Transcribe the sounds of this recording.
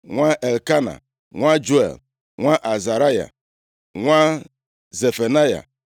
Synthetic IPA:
ŋʷa˦ʔe˨lka˦na̰˨ | ŋʷa˦d͡ʒu˦ḛ˨l | ŋʷa˦ʔa˨za˨ɾa˦ja̰˨ | ŋʷa˦ | ze˨fe˨na˦ja̰˨

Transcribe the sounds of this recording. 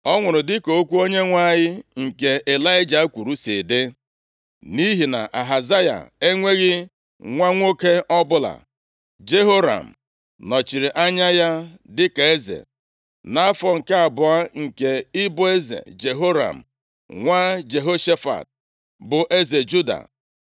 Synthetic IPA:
ɔ˦ŋʷʊ˨ɾʊ˨dɪ˦ko˨o˦kʷu˦o˦ɲe˦ŋʷa˦˨jɪ˦ŋ̩˨ke˨e˨la˦ɪ˦d͡ʒa˨˦kʷu˨ɾu˦si˨de˦ | ni˦ɦi˨na̰˨ʔa˨ɦa˨za˦ja̰˨e˦ŋʷe˦ɣɪ˦ | ŋʷa˦ŋʷo˦ke˦ʔɔ˦bʊ˦la̰˨ | d͡ʒe˦ɦo˦ɾa̰˨m̩˨ | nɔ˨t͡ʃi˨ɾi˨ʔa˦ɲa˦ja˦dɪ˦ka˨e˦zḛ˨ | na˦fɔ˨ŋ̩˨ka˦a˨bʊ˨a˦ŋ̩˨ke˨ɪ˦bʊ˦e˦zḛ˨d͡ʒe˨ɦo˦ɾa̰˨m̩˨ | ŋʷa˦d͡ʒe˨ɦo˦ʃe˦fa̰˨t̚ | bʊ˨ʔe˦ze˨d͡ʒu˦da̰˨

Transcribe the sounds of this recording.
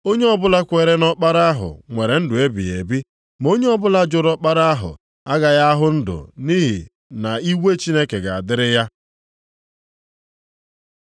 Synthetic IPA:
o˦ɲe˦ɔ˦bʊ˦la˦kʷe˨ɾe˦nɔ˦k͡pa˦ɾa˦a˦ɦʊ̰˨ŋʷe˨ɾe˨n̩˦dʊ˨e˦bḭ˨e˨bi˦ | mo˦ɲe˦ɔ˦bʊ˦la˦d͡ʒʊ˨ɾɔ˦k͡pa˦ɾa˦a˦ɦʊ̰˨ | a˦ɡa˨ja˦ɦʊ˦n̩˦dʊ̰˨ni˦ɦḭ˨ | na˨i˦we˦t͡ʃi˦ne˦ke˨ɡa˨a˨dɪ˦ɾɪ˦ja˦

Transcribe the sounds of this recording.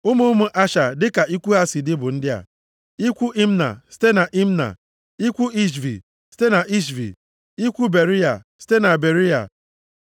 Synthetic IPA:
ʊ˦mu˦mʊ˦ʔa˦ʃa˨dɪ˦ka˨i˦kʷu˦ɦa˦si˨dɪ˦bʊ˨n̩˦dɪ˦a̰˨ | i˦kʷu˦ʔi˦m̩˦na̰˨si̥˦te˦na˨ʔi˦m̩˦na̰˨ | i˦kʷu˦i˦ʃ̬vḭ˨ | si̥˦te˦na˨ʔi˦ʃ̬vḭ˨ | i˦kʷu˦be˨ɾi˦a̰˨si̥˦te˦na˨be˨ɾi˦a̰˨

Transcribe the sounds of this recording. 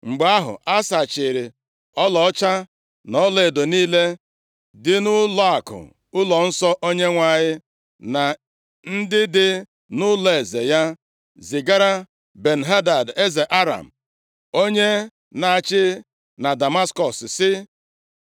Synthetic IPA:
ŋ͡m̩˨ɡ͡ba˦ɦʊ̰˨ʔa˦sa˨t͡ʃɪ˨ɾɪ˨ | ɔ˦lɔ˨ɔ˦t͡ʃa˦ | nɔ˨˦le˨e˨do˨niː˦le˦ | dɪ˦nʊ˦lɔ˦a˨kʊ̰˨ | ʊ˦lɔ˨n̩˦sɔ˦ʔo˦ɲe˦ŋʷa˨ɲɪ˦ | na˨ | n̩˦dɪ˦dɪ˦ | nʊ˦le˨zḛ˨ja˦ | zɪ˨ɡa˦ɾa˦ | be˨n̩˨ɦa˦da˨de˦ze˨ʔa˦ɾa̰˨m̩˨ | o˦ɲe˦ | na˨t͡ʃɪ˦ | na˨da˨ma˦skɔ˨ssɪ˦

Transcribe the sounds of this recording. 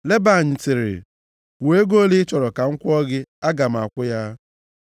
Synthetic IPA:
le˦ba˨ɲɪ˨tɪ˨ɾɪ̰˨ | e˦ɡo˦li˦t͡ʃɔ˨ɾɔ˨ka˨ŋ̩˦kʷɔ˦ɡɪ˦a˦ɡa˨m̩˨a̰˨kʷʊ˦ja˦

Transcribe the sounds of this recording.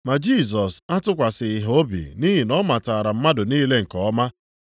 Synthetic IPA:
ma˨d͡ʒi˦˨s̬ɔ˨sa˦tʊ˦kʷa˨sɪ˨ɪ˨ɦo˦bḭ˨ni˦ɦi˨nɔ˦ma˨taː˨ɾa˨m̩˦ma˦dʊ˨niː˦le˦ŋ̩˨kɔ˨ɔ˦ma˦

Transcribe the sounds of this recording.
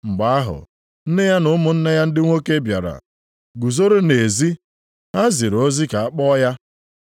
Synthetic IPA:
ŋ͡m̩˨ɡ͡ba˨˦a˦ɦʊ̰˨ | n̩˦ne˦ja˦nʊ˦mʊ˨n̩˦na˦ja˦n̩˦dɪ˦ŋʷo˦ke˦bja̰˨ɾa̰˨ | ɡu˨zo˦ɾo˦ne˨zi˦ | ɦa˦zi˨ɾo˦zi˦ka˨a˦k͡pɔ˦ja˦

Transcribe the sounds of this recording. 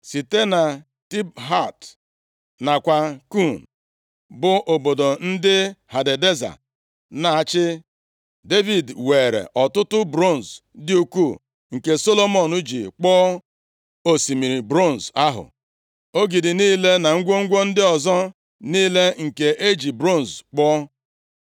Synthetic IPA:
si˨te˦na˨ | ti˦bɦa˦˨t | na˨kʷa˨ku˦˨n̩ | bʊ˦ʔo˨bo˨do˨n̩˦dɪ˦ha˨de˨de˦za̰˨ | na˨a˨t͡ʃɪ˦ | de˦vi˨dweː˨ɾḛ˨ʔɔ˨tʊ˦tʊ˦bɾo˦˨n̩˨zdɪ˦u˦ku˦˨ | ŋ̩˨ke˨so˦lo˦mɔ˨nu˦d͡ʒi˨k͡pɔ˦ | o˨si˨mi˨ɾi˨bɾo˦˨n̩˨za˦ɦʊ̰˨ | o˦ɡi˨dɪ˨niː˦le˦na˨ŋ̩˦ɡʷo˦ŋ̩˦ɡʷo˦n̩˦dɪ˦ɔ˨zɔ˦ | niː˦le˦ŋ̩˨ke˨ʔe˦d͡ʒi˨bɾo˦˨n˨zk͡pɔ˦

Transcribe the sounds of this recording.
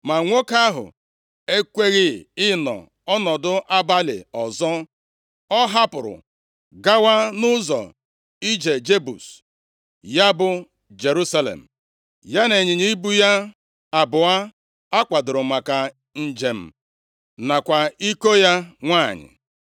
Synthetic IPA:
ma˨ŋʷo˦ka˦ɦʊ̰˨ | e˦kʷe˦ɣɪ˦˨ɪ˦nɔ̰˨ | ɔ˦nɔ˨dʊ˦ʔa˦ba˦lɪ̰˨ɔ˨zɔ˦ | ɔ˦ɦa˦pʊ˨ɾʊ̰˨ | ɡa˦wa˦nʊ˦zɔ̰˨ | i˦d͡ʒe˨d͡ʒe˦bu˨s | ja˦bʊ˨ | d͡ʒe˨ɾu˦sa˦lḛ˨m̩˨ | ja˦ne˨ɲɪ˨ɲi˦i˦bu˦ja˦ | a˨bʊ˨a˦ | a˦kʷa˨dʊ˨ɾʊ˨ma˨ka˨ | n̩˦d͡ʒe˨m̩˨ | na˨kʷa˨i˦ko˦ja˦ŋʷaː˦˨ɲɪ̰˨

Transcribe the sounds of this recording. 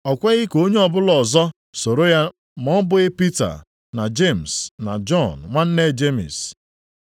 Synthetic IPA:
ɔ˨kʷe˦ɣɪ˦ko˦ɲe˦ɔ˨bʊ˦lɔ˨zɔ˦ | so˨ɾo˦ja˦ | mɔ˦m˦bʊ˦ɣɪ˦pi˦ta̰˨ | na˨d͡ʒe˦˨m̩˨sna̰˨d͡ʒɔ˦˨n̩ŋʷa˦n̩˦ne˦˨d͡ʒe˦mḭ˨s

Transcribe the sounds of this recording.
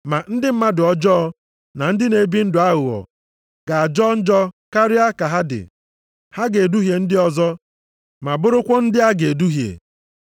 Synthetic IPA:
ma˨n̩˦dɪ˦m̩˦ma˦dʊ˨ɔ˦d͡ʒɔ˦ɔ˦ | na˨n̩˦dɪ˦ne˨bi˦n̩˦dʊ˨a˦ɣʊ˨ɔ̰˨ | ɡ̥a˨a˨d͡ʒɔ˦n̩˦d͡ʒɔ˦ka˦ɾɪ˦a˦ka˨ɦa˦dɪ̰˨ | ha˦ɡe˨du˦ɦje˨n̩˦dɪ˦ɔ˨zɔ˦ | ma˨bʊ˦ɾʊ˦kʷɔ˦n̩˦dɪ˦ɦa˦ɡe˨du˦ɦjḛ˨

